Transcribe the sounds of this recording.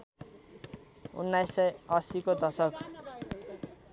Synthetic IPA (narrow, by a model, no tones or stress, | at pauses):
ṵnːajsːʌjʌsikod̪ʌsʌk